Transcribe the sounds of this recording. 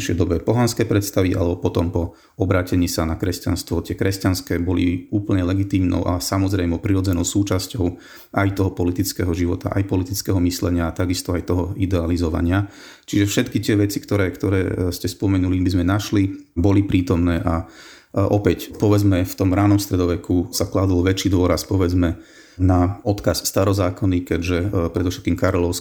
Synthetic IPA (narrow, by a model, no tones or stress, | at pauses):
ʃɛjd̪ɔbɛpɔɦanskɛjpɾɛt̪st̪aʋiʔa̰lɛbɔpɔt̪ɔmpɔ | ɔbɾaːcɛɲiːsanakɾɛsca̰nst̪ʋɔt̪ɪɛkɾɛscanskɛːbɔliuːpl̩ɲɛlɛɡit̪iːmnɔ̰ʊʔa̰samɔzɾɛjmɔʊpɾiɾɔd͡zɛnɔʊsuːt͡ʃascɔʊ | ʔajt̪ɔɦɔpɔlit̪it͡skɛɦɔʒiʋɔt̪a̰ʔajpɔlit̪it͡skɛɦɔmislɛɲɪaːt̪aɡist̪ɔajt̪ɔɦɔid̪ɛalizɔʋa̰ɲɪa | t͡ʃiʒɛfʃɛt̪kit̪ɪɛʋɛt͡sikt̪ɔɾɛːkt̪ɔɾɛːscɛspɔmɛnulibizmɛnaʃlibɔlipɾiːt̪ɔmnɛːʔa | ʔɔpɛcpɔʋɛd͡zmɛft̪ɔmɾaːnɔmst̪ɾɛd̪ɔʋɛkusaklad̪ulʋɛt͡ʃiːd̪ʊɔɾaspɔʋɛd͡zmɛ | naɔt̪kasːt̪aɾɔzaːkɔnikɛɟʒɛpɾɛd̪ɔfʃɛt̪̚kiːmkaɾɔlɔʊs